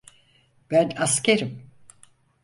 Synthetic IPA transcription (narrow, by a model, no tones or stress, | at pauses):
b̥ænasceɾim